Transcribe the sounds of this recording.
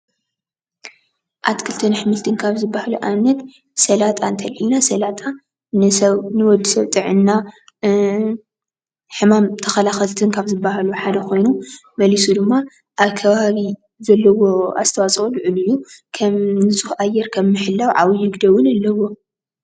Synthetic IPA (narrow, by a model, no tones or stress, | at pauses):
ʔat̪kʰɨlt̪ʰɐnħɨmɨlt̪ʰɨnkʰaβzɨbːahaluʔanːɐt̪ | sɐlat̪ʼant̪ʰɐlħinasɐlat̪ʼa | nɨsɐβnɨwɔd̪ːisɐβt̪ʼɨʕɨnːa | ħɨmamt̪ʰɐxɐlaxɐlt̪ʰɨnkʰaβzɨbːahaluħad̪ɐxʰo̞jnumɐlisud̪ɨmːa | ʔaβkʰɐβaβi | zɐlːɐwo̞a̰z̥t̪ʰɐwat͡sʼulɨʕɨlujːukʰɐmnɨsʼuhʔajːɛɾkʰɐmːɨħɨlːɐwʕa̰wijɪɡd̪ɐwʊnalːɐwo̞